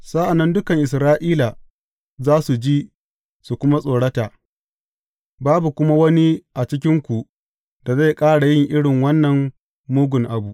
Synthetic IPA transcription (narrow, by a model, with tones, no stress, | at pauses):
sa˦ʔa˨nːɐ˦ndʊ˦kɐ˨ŋʔɪ˨sɾaː˦ʔiː˦la˨ | zaː˦su˨d͡ʒi˦ | su˨kʷʊ˦ma˦sʼoː˨ɽɐ˦taː˨ | baː˦bu˨kʷʊ˦ma˦wɐ˦ni˦ʔa˨t͡ʃɪ˦kʲɪ˦ŋkʷu˨ʔ | da˨za˦˨jkʼaː˦ɽa˨jɪ˦ŋʔɪ˦ɽɪ˨ŋwɐ˦nːɐ˨mː | uː˦ɡʷʊ˨ŋʔa˨bu˨